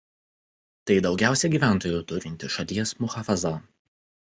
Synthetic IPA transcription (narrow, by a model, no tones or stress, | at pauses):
t̪ɐɪd̪ɒʊɡʲæˑʊsʲɛɡʲiːʋʲæˑnˑt̪oːjʊt̪ʊɾʲɪnʲt̪ʲɪʃɐlʲiɛsmʊxɐfɐzɐ